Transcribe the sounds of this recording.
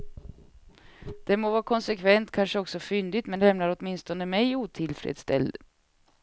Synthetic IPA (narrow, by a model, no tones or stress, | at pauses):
d̪̥ɛmoːvɑːkʰɔnsɛkʰvɛnt̪kʰanʂəɔksɔfʏnd̪ɪt̪mɛnlɛmnaɾɔt̪mɪnst̪ɔnəmɛjuːt̪ʰɪlfɾḛːd̪st̪ɛ̰ld̪